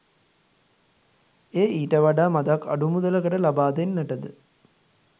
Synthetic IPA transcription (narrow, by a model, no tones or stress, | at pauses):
eːʔiːʈəʋaɖaːmad̪akːa̰ɖumud̪ələkəʈəlabaːd̪enːæʈəd̪ə